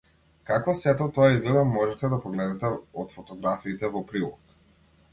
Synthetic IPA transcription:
kakɔsɛt̪ɔt̪ɔaizɡlɛd̪amɔʒɛt̪ɛd̪apɾɔɡlɛd̪ɛt̪ɛɔt̪fɔt̪ɔɡɾafiːt̪ɛvɔpɾilˠɔ̰k

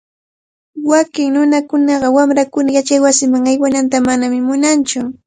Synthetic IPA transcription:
wakɪŋnʊnakʊnɑɢɑwamɾakʊnajat͡ʃajwasɪmaŋajwanant̪amanamɪmʊnant͡ʃʊ

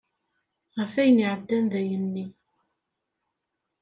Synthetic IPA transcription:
ʁəfæjəniʕəd̪ːænðæjənːi

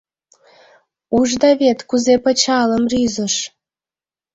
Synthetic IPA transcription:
uʒd̪ɑβet̪kuzepə̆t͡ɕɑləmryzə̆ʃ

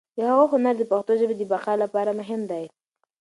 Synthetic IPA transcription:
d̪̥əhaɣoɦʊnaɾd̪əpaxt̪oʒəbed̪əbaqɑlapɑɾamʊɦɪmd̪aj

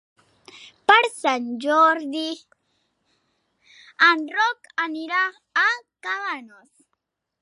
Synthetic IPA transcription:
paɾsand͡ʒoɾd̪i | anrokaniɾaː | kalanos

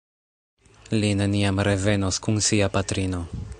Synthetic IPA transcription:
line̞niamɾe̞ve̞noskunsiapatɾino̞

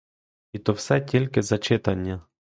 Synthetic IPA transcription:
it̪ɔwsɛtʲilʲkɪzɐt͡ʃɪt̪ɐnʲːa

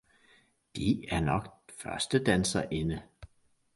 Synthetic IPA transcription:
d̥iæɐnɒ̽ɡ̥fɶɐsd̥əd̥ænsɐʔenə

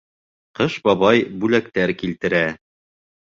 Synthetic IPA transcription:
qɤʃbɑβɑjbʉlæk̚t̪æɾkilt̪ɘ̆ɾæ

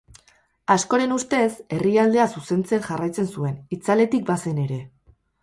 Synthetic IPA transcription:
asko̞ɾe̞nust̪e̞se̞riald̪e̞asuse̞nt͡se̞nʝarajt͡se̞nsue̞nit͡sale̞t̪ik̚base̞ne̞ɾe̞

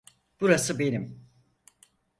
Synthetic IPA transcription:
b̥uɾasɯbe̞nim

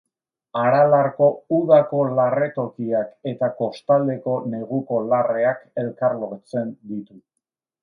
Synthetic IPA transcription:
aɾalaɾko̞uðako̞lare̞t̪o̞kiake̞t̪ako̞st̪ald̪e̞ko̞ne̞ɣuko̞lare̞ake̞lkaɾlo̞ɾt͡se̞nd̪it̪u

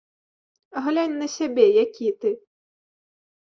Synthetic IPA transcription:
ɦlʲanʲnɐsʲabʲɛjakʲit̪ɪ

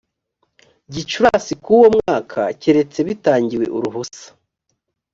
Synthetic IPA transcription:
ɟit͡ʃuɾasikuwo̞mŋaːkʰaceɾe̞t͡se̞βitaːɲɟiwe̞̰ʔuɾuɦusḁ

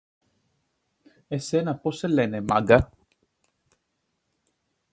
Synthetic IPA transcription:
esenaposelɛnema̰ɡa

